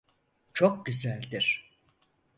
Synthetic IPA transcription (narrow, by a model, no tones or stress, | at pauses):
t͡ʃʰo̞k̚ɟyzælʲd̪iɾ̥